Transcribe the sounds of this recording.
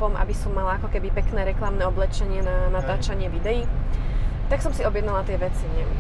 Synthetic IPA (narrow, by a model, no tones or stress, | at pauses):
ɔmʔa̰bisɔmːalaakɔkɛbipɛknɛːɾɛklamnɛɔblɛt͡ʃɛɲɪɛnanat̪aːt͡ʃaɲɪɛʋid̪ɛji | t̪aksɔmsiɔbjɛd̪nalat̪ɪɛʋɛt͡siɲɪɛ